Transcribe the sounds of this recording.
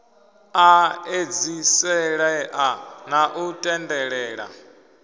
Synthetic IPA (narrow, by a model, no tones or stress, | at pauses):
aed͡zisɛɺɛʔanaʔutʼɛndɛɺɛːɺa̰